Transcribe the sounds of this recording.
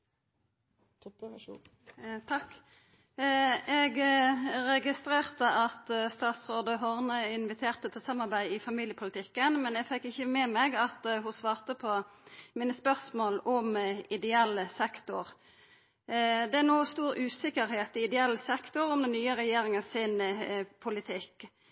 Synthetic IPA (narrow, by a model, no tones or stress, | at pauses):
t̪ʰɑkː | ɛɡɾɛɡɪst̪ɾeːʁt̪əʔɑt̪st̪ɑːt̪sʁoːd̪əɦɔʁnəɪnʋɪt̪ʰeːʁt̪ət̪ʰɪlsɑmɑʁbæɪɪfɑmiːljəpʰʊlət̪ʰɪkːənmɛnɛɡfɛkːɪçəmɛmɛɡɑt̪hʊsʋɑːʁt̪əpʰɔmiːnəspœʁsmoːlɔmɪd̪ɛɛlːəsɛkt̪ʊʁ | d̪ɛæʁnuːst̪uːɾʉːsɪkəɾhɛːt̪ɪɪd̪ɛɛlːəsɛkt̪ʊɾɔmd̪ɛnːyːəɾɛjeːɾɪŋənsɪnpʰʊlɪt̪ʰɪkː